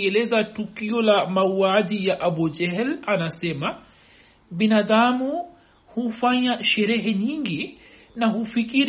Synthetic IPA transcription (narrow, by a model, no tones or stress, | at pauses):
ɛlɛzatukiɔlamauaʄijaʔaɓɔd͡ʒɛɦɛlanasɛma | ɓinaðamu | hufaɲaʃɛɾɛɦɛɲiŋɡi | nahufikiɾ